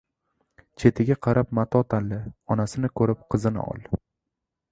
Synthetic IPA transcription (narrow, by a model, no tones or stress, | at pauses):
t͡ʃʰe̞t̪ʰɪɡʲaqʰɑɾapmat̪ʰɒt̪ʰanlɪɒnasɪnɪkʰɵɾɪp̚qʰɨzɪnɪ̰ʔɒ̰lˠ